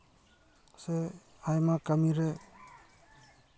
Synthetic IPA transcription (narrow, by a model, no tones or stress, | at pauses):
se | ajmakamiɾe